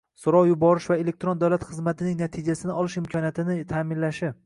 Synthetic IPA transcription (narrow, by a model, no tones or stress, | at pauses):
sʊɾɒwjʊbɒɾɪʃvaele̞k̚ʲt̪ɾond̪awlat̪χɨzmat̪ʰɪnɪŋnat̪ʰɪd͡ʒasɪnɪɒlˠɪʃɪmkʰɒnijat̪ʰɪnɪt̪ʰaːmɪnlaʃɪ